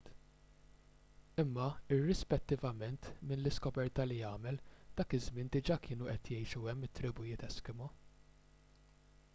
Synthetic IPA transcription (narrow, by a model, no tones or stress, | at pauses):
t̪ | ɪmːɐɪrːɪspɛt̪ːɪvɐmɛnt̪mɪnlɪskɔbɛɾt̪ɐlijɐːmɛld̪̥ɐːkɪzmɪnd̪ɪd͡ʒɐkʰɪːnuʔɛt̪jɛjʃuɛmːɪt̪ːɾɪbʊjɪt̪ɛskɪmɔ